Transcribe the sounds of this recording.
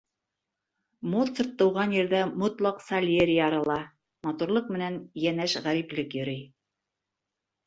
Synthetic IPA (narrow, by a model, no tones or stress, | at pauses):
mot̪sərt̪ːɤ̆wʁɑnjɘ̆ɾðæmot̪lˠɑqsalʲeɾʲijɑɾɑlˠɑ | mɑt̪uɾlˠɤq̚mɘ̆nænjænæʃʁæɾiplɘkjɵ̆ɾɘj